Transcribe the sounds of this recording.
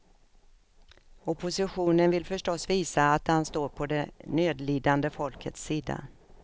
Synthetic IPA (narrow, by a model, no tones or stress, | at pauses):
ɔpʰʊsɪɧuːnənvɪlfœʂʈɔsːviːsaːt̪hanst̪oːɾpʰɔd̪ɛnøːd̪liːd̪and̪əfɔlkʰət̪sːiːd̪a̰